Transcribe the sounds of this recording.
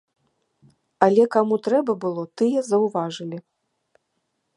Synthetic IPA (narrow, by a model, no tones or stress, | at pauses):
ɐlʲɛkamut̪ɾɛbɐbɨlˠɔt̪ɨjɛzɐwvaʐɨlʲi